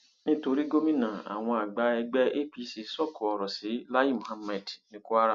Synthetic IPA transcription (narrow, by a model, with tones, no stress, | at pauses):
nĩ˦to˧ɾi˦ɡo˦mĩ˦nã˨a̰˨w̃ɔ̃˧a˨ɡ͡ba˧˦ɛ˧ɡ͡bɛ˦ʔe˦pi˧˦si˧sɔ˦˨kʰu˨ɔ˨ɾɔ˨si˨˦la˦ji˦˨mũ˨ha˦mɛ˨dnĩ˦ku˦a˦ɾa˦˨